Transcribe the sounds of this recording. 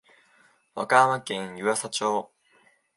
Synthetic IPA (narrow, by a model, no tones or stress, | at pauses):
βa̰kãβakẽ̞ɰ̃jɯβasat͡ɕoː